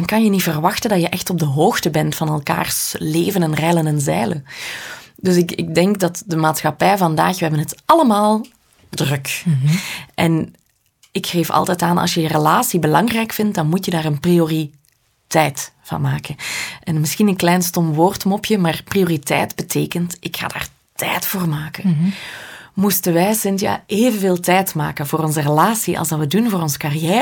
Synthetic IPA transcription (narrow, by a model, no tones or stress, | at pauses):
ɑnkɑnjənitv̥ərʋɑxtəndɑjəʔɛxtɔb̚dəɦoːxtəbɛntfɑnɛlˠka̰ːrsleːvənɛnrɛlənɛnzɛːlə | dɵsɪkɪ̰ɡ̚dɛŋkdɑtdəmaːtsxɑpɛjvɑnda̰ːxʋəɦɛbənɦətʔɑləmaːlˠ | drɵk | ʔɛn | ɪkxeːfɑ̰lˠtɛtaːnʔɑ̰lˠsjəjərəlaːsibəlɑŋrɛjkfɪnt̚dɑnmutjədaːrənpriori | tɛjtfɑ̰nmaːkənʔɛnmɪsxinənklɛjnstɔmʋoːrtmɔpjəmaːrprijoːritɛ̰jtbətʰeːkəntɪkxa̰ːda̰ːr | tʰɛjtfoːrmaːkən | mustənʋɛjsɪntja̰ːʔeːvənveːlˠtɛjtma̰ːkənvoːɾɔnzərəlaːsiʔɑ̰lˠsdɑʋədunvoːɾɔnzə̥karijɛː